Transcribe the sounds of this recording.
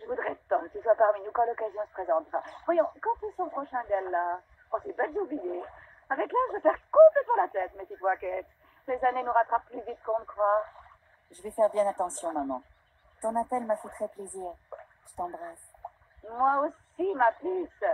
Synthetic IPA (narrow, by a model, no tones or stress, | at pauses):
ʒəvud̪ʁɛt̪ɑ̃kiswapaʁminukɑ̃lɔkazjɔ̃sə̥pχezɑ̃t̪avwajɔ̃kɑ̃t̪ysɔ̃pχɔʃɛ̃d̪ɛlːa | ɔ̃sɛbɛd̪zublije | avɛklaʒəvəfɛʁkɔ̃plɛt̪mɑ̃lat̪ɛt̪mept̪it̪wakɛt̪ | lezanenuʁat̪χapːlyvit̪kɔ̃nəkχwaʁ | ʒəvɛfɛʁbjɛ̃nat̪ɑ̃sjɔ̃mamɑ̃ | t̪ɔ̃nat̪ɛlmafɛt̪χɛpleziːʁ | ʒ̥ət̪ɑ̃bʁas | mwaos | imaplys